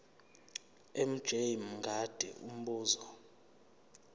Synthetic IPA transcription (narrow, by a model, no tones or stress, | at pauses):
em̩d̥ʒ̥ʱejimŋɡʱad̥ʱɛ̰um̩ɓuːzɔ